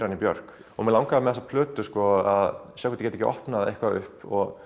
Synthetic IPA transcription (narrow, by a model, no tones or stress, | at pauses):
ɾanipjœ̰ɾ̥k | ɔmɛlaw̃ŋkaðɪmɛðɛsapʰlœːt̪ʏskɔaðsjawkʰvɛt̪ɪcɛːt̪ɛ̥cːɪʔɔ̰hpnaðḛjhkvaʏ̰hpɔɣ